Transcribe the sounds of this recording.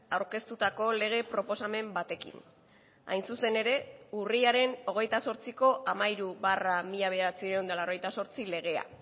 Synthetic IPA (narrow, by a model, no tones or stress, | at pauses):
awɾke̞st̪ut̪ako̞le̞ɣ̞e̞pɾo̞po̞same̞mbat̪e̞kḭn | a̰jnsuse̞ne̞ɾe̞uriaɾe̞no̞ɣ̞e̞jt̪aso̞ɾt͡siko̞ʔamaiɾuβaramiʎaβeðeɾat͡siend̪alaɾejt̪aso̞ɾt͡sile̞ɣ̞e̞a̰